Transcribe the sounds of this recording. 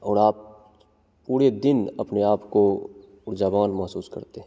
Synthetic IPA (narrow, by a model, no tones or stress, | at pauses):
ɔːɾaːp̚ | puːɾed̪ɪnɐ̰pneaːpko | ʊɾd͡ʒaːʋaːnmɐɦsuːskɐ̰ɾt̪eɦɛ